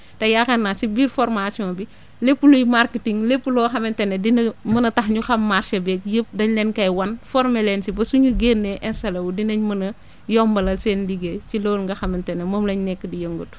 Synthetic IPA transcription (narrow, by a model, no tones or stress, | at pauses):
tɐjaxɐnːasibiːɾfɔɾmasiɔ̃ːbi | lepːulojmaɾkitiŋlepːulɔxɐmɛntɛnːedinɐmɐnɐtɐxɲuxɐmːaɾʃebɛkjəp̚dɐɲlɛnkɐjwɐnfɔɾmelɛnsibɐsuɲuɡeːnːeʔɛnsɐlɐwudinɐɲmɐnɐ | jɔmbɐlɐlseːnliɡesiloːlŋɡɐxɐmɛntɛnːemoːmlɐɲnɛkːədijəŋɡut